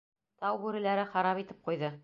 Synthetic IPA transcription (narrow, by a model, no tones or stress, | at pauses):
t̪ɑwbʉɾɘ̆læɾɘχɑɾɑpit̪ɘ̥p̚qujðɤ